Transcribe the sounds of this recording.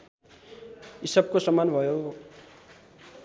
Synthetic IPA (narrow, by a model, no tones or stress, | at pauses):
isʌb̚kosʌmːanbʱʌjo